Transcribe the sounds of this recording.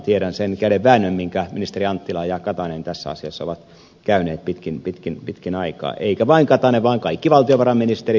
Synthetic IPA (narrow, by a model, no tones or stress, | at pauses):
t̪ieɾænsenkæyleʋʋæːnːømmiŋkæminist̪eriɑnt̪ːilɑːjɑkɑt̪ɑnent̪æsːæ̰ɑ̰siɑsːo̰ʋɑt̪ | kæyneːt̪̚pit̪kinpit̪kinpit̪kinɑikɑ̰ːʔeikæʋɑiŋkɑt̪ɑneʋɑːŋkɑikːiʋɑlt̪ioʋɑrɑmminist̪eri